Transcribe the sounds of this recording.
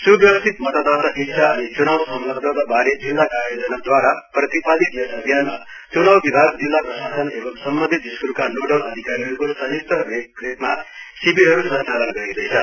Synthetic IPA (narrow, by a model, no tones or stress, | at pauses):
subjʌbʌst̪ʰit̪mʌt̪ad̪at̪ʌɦiksʰaʌnit͡sunawsʌmlʌɡ̚d̪ʱʌd̪abaɾed͡zilːakajod͡zʌnad̪waɾaprʌt̪ipalid̪esʌɡʱjanma | t͡sunawbib̪ʱaɾd͡zilːakosat̪ʰʌnebʌmsʌmbʌnd̪ʱit̪iskulkanoɖʌlʌd̪ʱikaɾiɦʌɾukosʌɦit̪ʌbekret̪̚masibiɦʌɾusʌnt͡salʌnɡʌɾid̪ʌjt͡sʰʌ